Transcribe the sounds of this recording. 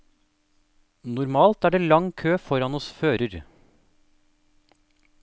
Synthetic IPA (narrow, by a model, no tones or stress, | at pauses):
nʊɾmɑːlt̪æːɖeːlɑŋkʰøːfɔɾɑnɔsføːɾəɾ